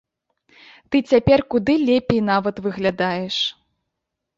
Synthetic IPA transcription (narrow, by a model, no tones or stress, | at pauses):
t̪ɨt͡sʲapʲɛrkud̪ɨlʲɛpʲejn̪avɐt̪vɨɣlʲad̪ajɛʂ